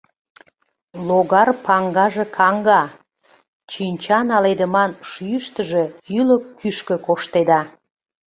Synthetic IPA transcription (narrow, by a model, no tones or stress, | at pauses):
loɣɑrpɑŋɡɑʒe̽kʰɑŋɡɑ | t͡ɕynʲt͡ɕɑnɑled̪əmɑnʃyjəʃt̪əʒeyləkːyʃkə̆koʃt̪ed̪ɑ